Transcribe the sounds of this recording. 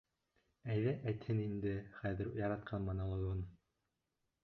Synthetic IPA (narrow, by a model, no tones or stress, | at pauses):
æjðæʔæjt̪hɘnind̪ɘχæðɘ̆ɾjɑɾɑt̪̚qʰɑnmɑnɑlˠɤ̆ɣɤn